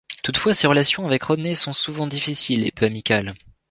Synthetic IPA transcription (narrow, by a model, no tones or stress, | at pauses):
t̪ut̪fwaseʁəlasjɔ̃avɛkʁɔnesɔ̃suvɑ̃d̪ifisilḛpøamikʲal